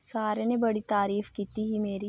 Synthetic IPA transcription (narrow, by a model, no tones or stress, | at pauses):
saːɾenebɐɽit̪aːɾiːfkiːt̪iɦimeːɾi